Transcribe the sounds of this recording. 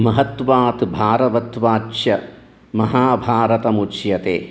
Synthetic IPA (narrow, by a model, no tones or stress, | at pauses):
mɐɦɐt̪ʋaːt̪bʱaːɾɐʋɐt̪ʋaːt͡ʃt͡ʃʃjɐ | mɐɦaːbʱaːɾɐt̪ɐmut͡ʃjɐt̪eː